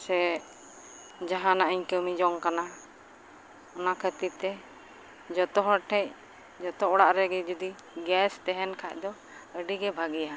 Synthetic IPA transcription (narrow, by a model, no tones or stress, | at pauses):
sɛ | d͡ʒaɦãnaʔəɲkəmid͡ʒɔŋkana | ɔnakʰət̪it̪ɛ | d͡ʒɔt̪ɔɦɔʈʰɛc̚ | d͡ʒɔt̪ɔɔɽaʔɾɛɡɛd͡ʒud̪i | ɡɛst̪ɛɦɛnkʰac̚d̪ɔ | əɖiɡɛbʱaɡija